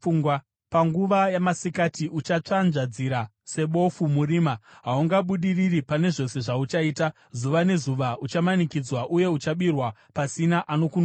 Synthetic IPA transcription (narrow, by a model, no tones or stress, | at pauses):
uːŋɡwa | paŋɡuʋajamasikatiʔut͡ʃat͡ʂanʐad͡ziɾa | se̞ɓo̞fumuɾiːmaɦauŋɡaɓuɗiriripane̞ʐo̞se̞ʐaut͡ʃaiːta | zuʋane̞zuʋaut͡ʃamanikid͡zwaʔuje̞ut͡ʃaɓirwapasinaʔano̞kun